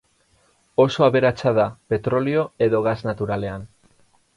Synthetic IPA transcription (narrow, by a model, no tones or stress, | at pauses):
o̞so̞aβe̞ɾat͡saðape̞t̪ɾo̞lio̞e̞ðo̞ɣ̞aznat̪uɾale̞an